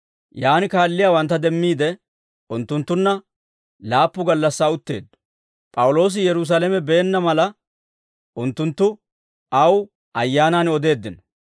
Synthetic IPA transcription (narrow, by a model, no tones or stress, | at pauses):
jaːnɪkaːlːɪjaːwɐnt̪ːɐd̪ɛmːiːd̪ɛ | ʊnt̪ːʊnt̪ːʊnːɐ | laːpːʊɡɐlːɐsːaːʊt̪ːe̞̰ːd̪ːʊ̥ | pʼɐwʊlo̞ːs̬ɪjɛɾʊs̬aːlɛmɛbeːnːɐmɐlɐ | ʔʊnt̪ːʊnt̪ːʊ | ʔɐw | ʔɐjːaːnaːnɔd̪e̞ːd̪ːɪnɔ̥